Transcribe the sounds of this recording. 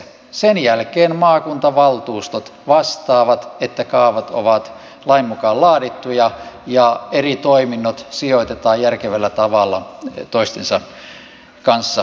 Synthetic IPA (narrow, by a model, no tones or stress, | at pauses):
senjælkeːnmɑːkunt̪ɑʋɑlt̪uːst̪ot̪ʋɑst̪ɑːʋɑt̪et̪ːækɑːʋɑt̪o̰ʋɑt̪ | lɑimːukɑːllɑːdit̪ːujɑjɑerit̪oiminːot̪sioit̪et̪ɑːjjærkeʋælːæt̪ɑʋɑlːɑt̪oist̪ensɑ | kɑnsːɑ